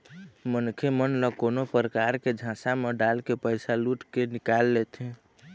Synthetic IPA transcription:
mənkʰemənləkonopɾəkaɾked͡ʒʱãsameɖalkepəɪsaluʈkenikalːet̪ɦɛ̃

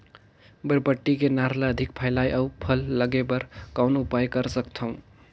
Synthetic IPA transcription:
bəɾpəʈːikenaɾlaəd̪ʱik̚pʰəjlajʔəwpʰəlːəɡebəɾkawnupajkəɾsəkt̪ʰʌw̃

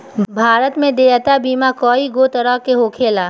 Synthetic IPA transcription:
bʱaːɾət̪mẽd̪eːət̪abʱiːmakɔːiɡot̪əɾəɦkeɦoːkʰeːlaː

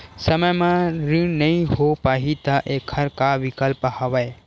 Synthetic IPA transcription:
səməjmãɾĩnəĩɦopaːɦit̪əʔekʰəɾkaʋikəlpəhɐʋəe

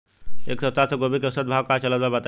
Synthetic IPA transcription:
ḛːksəst̪asə̃ɡobʱikesəd̪̚bʱaʋkat͡ʃələt̪̚babat̪

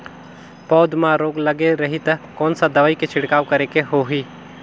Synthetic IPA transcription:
pɔːd̪mãɾoːɡlɐɡeɾɐɦit̪ɐkɔːnsad̪ɐʋaːiket͡ʃʰɪɽkaːʋkɐɾekeɦoɦiː

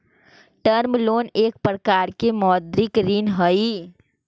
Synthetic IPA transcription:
ʈəɾmlonek̚pɾəkaɾkemɔd̪ɾikɾinɦəj

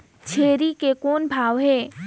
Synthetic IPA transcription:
t͡ʃʰeːɾikekɔːnbʱaːʋɦɛː

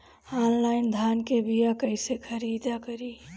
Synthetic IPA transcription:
aːnlaːɪnd̪ʱaːnkebijakəɪsekʰəɾiːd̪akəɾiː

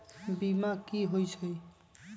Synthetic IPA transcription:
bimakiɦojsʰəj

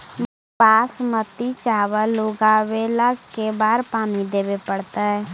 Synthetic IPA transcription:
m | baːsmət̪it͡ʃaːwaloɡaːwelaɡkebaːɾpaːmid̪eːbepəɽt̪aɦɛː

